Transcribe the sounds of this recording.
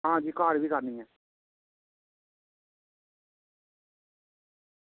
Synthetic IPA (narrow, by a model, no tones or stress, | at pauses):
ɦãːd͡ʒiːkaːɾbʱiːkaɾnĩːɛ